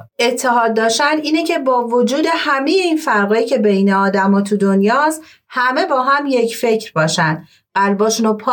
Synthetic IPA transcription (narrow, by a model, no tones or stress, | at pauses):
e̞t̪ʰːeɦɒːd̪ːɒːʃænd̪iːnecʰe̞bɒːvod͡ʒuːd̪e̞hæme̞jeiːnfæɾɣecʰe̞bejne̞ɒːd̪æmɒːt̪ʰud̪onjɒːst̪ | hæme̞bɒːɦæmje̞cʰfe̞cʰɾbɒːʃænd̪ | ɢ̥æɾbɒːʃunopʰː